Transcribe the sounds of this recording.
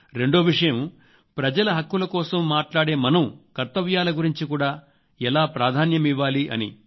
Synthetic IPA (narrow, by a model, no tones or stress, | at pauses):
ɾe̞ɳɖoːʋiʂɐjɐm | pɾɐd͡ʒɐlɐɦɐkːulɐkɔːsɐmːaːʈlaːɽe̞ːmɐnɐmkɐɾt̪ːɐʋjaːlɐɡuɾiɲt͡ʃikuːɽaː | ɛlaːpɾaːd̪ʱaːnjɐmiʋːaːliʔɐ̰nḭ